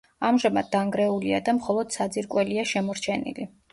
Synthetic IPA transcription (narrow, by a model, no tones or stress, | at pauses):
amʒamad̪̚ːaŋɡɾɛuliad̪amχɔlˠɔd̪̥sad̪ziɾkʼwɛliaʃɛmɔɾt͡ʃʰɛnḭli